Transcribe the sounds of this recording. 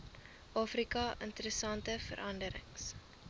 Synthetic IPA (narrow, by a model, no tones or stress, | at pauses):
ʔɑːfrikɐʔə̰ntəɾəsɐntəfə̰ɾʔɐndəɾə̰ŋs